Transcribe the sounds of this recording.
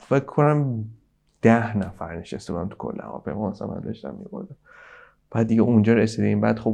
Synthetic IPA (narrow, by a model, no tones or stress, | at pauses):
fekʰːonæm | d̪̥æhnæfæɾneʃest̪ebud̪æmt̪u̥kʰo̰lːḛhæ̰vɒ̰ːpʰejmɒːmæsæ̰mæ̰nd̪ɒ̰ʃt̪æ̰mːḭboɾd̪æm | b̥æːd̪̚ːiɡɛund͡ʒɒːɾesid̪eimbæːd̪̥xo